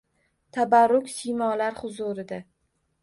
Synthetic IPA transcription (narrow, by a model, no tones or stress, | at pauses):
t̪ʰabaɾːʊkʲsijmɒlaɾhʊzʊɾɪd̪a